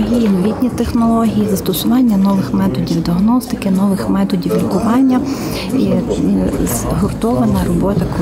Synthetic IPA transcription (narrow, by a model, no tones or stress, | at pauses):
ɦʲijinɔʋʲit̪ʲnʲit̪exnɔlˠɔɦʲijizɐst̪ɔsʊʋɑnʲːɐnɔʋɪxmɛt̪ɔdʲiwd̪ɪɐɦnɔst̪ɪkɪnɔʋɪxmɛt̪ɔdʲiʋʲlʲkʊʋɑnʲːɐ | i | z | ɦʊrt̪ɔʋɐnɐrɔbɔt̪ɐk